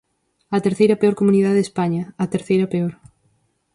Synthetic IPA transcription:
ɐt̪eɾθejɾɐpeɔɾkomuniðaðespaɲɐɐt̪eɾθejɾɐpeɔɾ

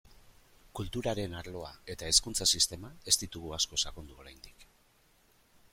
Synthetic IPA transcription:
kult̪uɾaɾe̞naɾlo̞ae̞t̪ae̞skunt͡sasist̪e̞mae̞st̪it̪uɣuasko̞sakond̪uo̞ɾajnd̪ik

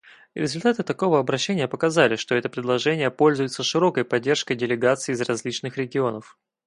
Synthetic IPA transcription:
ɾʲɪ̰zʊlʲt̪at̪ɨt̪ɐko̞vəɐbɾɐɕːenʲɪjəpəkɐzalʲɪʂt̪o̞ɛt̪əpɾʲɪd̪lˠɐʐɛnʲɪjəpo̞lʲzʊjʊt̪səʂɨɾo̞kəjpɐdʲːe̞rʂkəjdʲɪlʲɪɡat̪sɨːzrɐzʲlʲit͡ɕnɨxɾʲɪɡʲɪo̞nəf

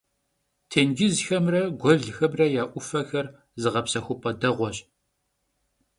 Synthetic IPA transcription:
tʰeːnɡɪzxɐmrɐɡʷɔɮxɐmrɐjaːʔʷʊfɐxɐr | zɨʁɐpsɐxʷʊpʰʼɐdɐʁʷɔɕʼ

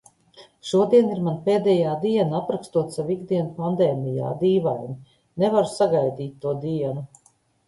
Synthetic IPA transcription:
ʃuɔd̪iɛniɾmanpeːd̪ɛːjaːd̪iɛnaapɾakst̪uɔt̪saviɡd̪iɛnupand̪ɛːmija̰ːd̪iːvajni | nevaɾusaɡajd̪iːt̪ːuɔd̪iɛnu

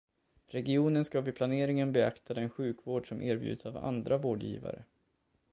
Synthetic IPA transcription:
ɾɛɡɪuːnənskavɪpʰlaneːɾɪŋənbɛakt̪ʰad̪ɛnɧʉ̟ːkvoːɖʂɔmʔeːɾbjʉ̟̰ːd̪əsava̰nd̪ɾavoːɖjḭːva̰ɾə̰

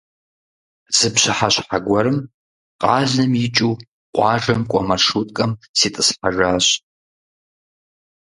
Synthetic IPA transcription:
z̥ɨpɕɐħaɕħaɡʷɐɾɨm | qʼɑːɮnɨmjɪt͡ʃʼuː | qʷʼɑːʒɐmkʷʼɔmɐʂutʼkʼɐmsitʼɨsħaʒaːɕ

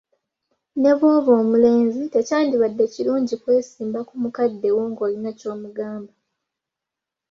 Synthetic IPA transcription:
ne̞βoːβo̞ːmule̞ːnzite̞caːndiβadːe̞ciluːɲɟikwe̞ːsiːmbakumukadːe̞woŋɡoːlinaco̞ːmuɡaːmba

